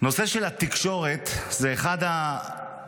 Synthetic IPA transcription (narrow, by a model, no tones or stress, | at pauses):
no̞seʃelat̪ikʃo̞ʁet̪zeːχada